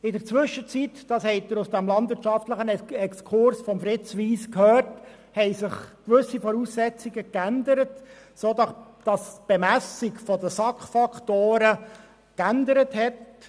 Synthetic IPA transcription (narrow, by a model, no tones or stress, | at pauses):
ɪdəɾt͡sʋʏʃːət͡sitd̥ɑːshɛɪtdəɾʊsd̥æmlɑndʋɪɾtt͡ʃʃɑftləχənɛkskʰʊɾsfɔmfɾɪt͡sʋiːskhøːrt | hɛɪsɪχkʋʏsːifɔɾusːɛt͡siɡəkænd̪əɾət | soːd̪ɑsd̥ɑsb̥ɛmæsɪkfɔd̪əsɑkχfɑkχtoːɾə | kændəɾəthɛt